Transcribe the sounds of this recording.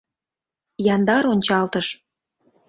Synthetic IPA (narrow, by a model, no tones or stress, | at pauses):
jɑnd̪ɑɾonʲt͡ɕɑlt̪əʃ